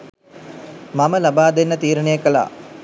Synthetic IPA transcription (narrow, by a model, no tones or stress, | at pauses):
maməlabaːd̪enːət̪iːɾəɳejəkəla̰ː